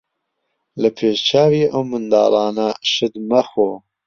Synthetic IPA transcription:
ləpʰeːʃt͡ʃʰɑːwiːʔəwmɨnd̪ɑ̰ːɾɑːnɐʃɨd̪mɐxoː

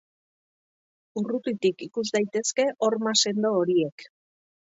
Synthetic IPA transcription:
urut̪it̪ikikuzd̪ajt̪e̞ske̞ʔo̞ɾmase̞nd̪o̞ːɾie̞k

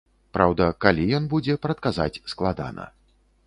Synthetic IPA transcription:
pɾawd̪ɐkalʲijɔnbud͡zʲɛpɾɐt̪̚kaza̰t͡sʲsklˠad̪a̰nɐ̰

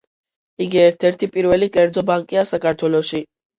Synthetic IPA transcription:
iɡiɛɾt̪ʰɛɾt̪ʰipʼiɾvɛlikʼɛɾd̪zɔbaŋkʼiasakʰaɾt̪ʰwɛlɔʃi

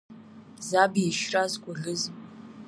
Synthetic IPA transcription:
zabiʃrazkʷʼʊɮɨz

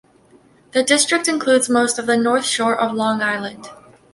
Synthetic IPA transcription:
ðɨdɪstɹ̥ɨk̚tɨ̃nkʰl̥ʉdzmoʊstʌvðɨnɔɹθʃɔɹʔʌvlɔ̃ŋaɪlˠə̃nd̥

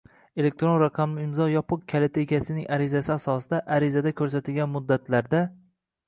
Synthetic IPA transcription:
e̞le̞k̚ʲt̪ɾo̞nɾaqʰɑmlɪɪmzɒjɒpʰɨq̚kʲʰalet̪ʰeɡʲasɪnɪŋaɾɪzasɪasɒsɪd̪aʔaɾɪzad̪akʲʰɵɾsat̪ʰɪlɡʲanmʊd̪ːat̪ʰlaɾd̪a

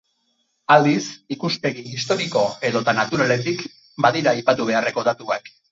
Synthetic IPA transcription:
ald̪isikuspe̞ɣiːst̪o̞ɾiko̞e̞ðo̞t̪anat̪uɾale̞t̪ik | baðiɾaːjpat̪uβ̞e̞are̞ko̞d̪at̪uak

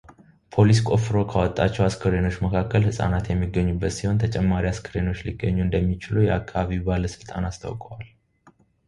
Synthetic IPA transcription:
pʰo̞lis̬kʼo̞fɨɾo̞kʰawɔt̪ʼːat͡ʃːɛwaskʰəɾeno̞t͡ʃːməkʰakːəlhɨsʼa̰nat̪jɛmːiɡːəɲːubːət̪siho̞nt̪ʰət͡ʃʼɛmːaɾiaskʰəɾeno̞t͡ʃːliɡːəɲːuɨnd̪əmːit͡ʃɪlujɛakʰːaβaβiwbaləsɨlt̪ʼa̰nast̪ʰa̰wkʼəwal

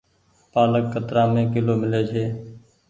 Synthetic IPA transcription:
paːləkːət̪ɾãːmẽːkɪloːmɪleːd͡ʒʱɦeː

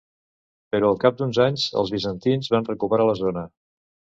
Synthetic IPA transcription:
pəɾɔəlˠkap̚d̪unzaɲzə̰lˠzβizənt̪inzβanrəkupəɾaləzonə

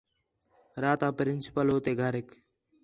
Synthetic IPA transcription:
ɾaːt̪aːpɾɪnsɪ̥pəloːt̪eːɡʱaːɾɪk

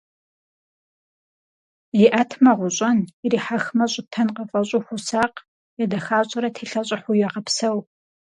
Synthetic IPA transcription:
jɪʔɐtʰmɐʁʷʊɕʼɐniɾiːħaxmɐɕʼʊtʰɐnqɐfʼɐɕʼʊxʷʊsaːq | jɛdɐxaːɕʼɪɾɐtʰeːɬɐɕʼɪħʷʊjɛʁɐpsɐw

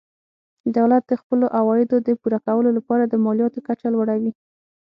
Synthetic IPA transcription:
d̪awlat̪̚d̪əxpəloʔawɑjɪd̪od̪əpuɾakawəlolapɑɾad̪əmɑljɑt̪okat͡ʃalwaɽawi

